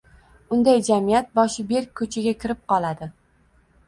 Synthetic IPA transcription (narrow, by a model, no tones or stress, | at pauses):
ʊnd̪ajd͡ʒamijat̪̚bɒʃɪbeɾkʲʰːɵt͡ʃʰaɡʲakʲʰɪɾɪp̚qʰɒlˠad̪ɪ